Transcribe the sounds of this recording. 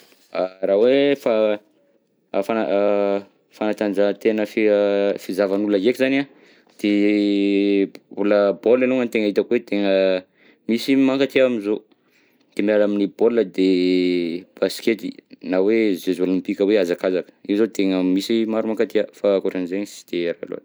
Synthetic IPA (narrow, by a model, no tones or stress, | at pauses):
aɾawefa | fana | fanat̪and͡ʒat̪enəfifizavanulajekizana | d̪̥e | uləboleluŋant̪eŋəit̪akwet̪eŋə | misimaŋkat̪iamizo | d̪̥emiaɾaminiboləd̪e | b̥asi̥ket̪ḭnawezezwelunipikəweazakazakə̥iwzot̪eŋəmisimaɾumaŋkat̪iafakoɾeanzeŋsi̥d̪̥eɾaa̰lo̰a̰n